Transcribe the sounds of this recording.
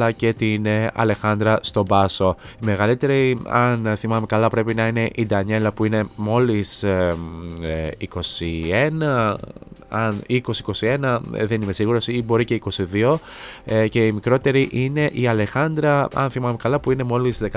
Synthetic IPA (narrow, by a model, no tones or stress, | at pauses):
ɐce̞t̪inɐ̰le̞xɐnd̪ɾɐst̪o̞bɐso̞ime̞ɣɐlit̪e̞ɾiɐnθimɐmekɐlɐpɾe̞pinɐine̞ʔid̪ɐɲe̞lɐpuine̞mo̞lis | iko̞sie̞nɐ | ɐniko̞siko̞sie̞nɐðe̞nime̞siɣuɾo̞sibo̞ɾice̞iko̞siðio̞ | ce̞imikɾo̞t̪e̞ɾiʔine̞ʔiɐlexɐnd̪ɾɐɐ̰nθimɐmekɐlɐpuine̞mo̞lizðekɐ